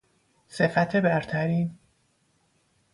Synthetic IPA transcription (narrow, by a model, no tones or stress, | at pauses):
se̞fæt̪ʰe̞bæɾt̪ʰæɾiːn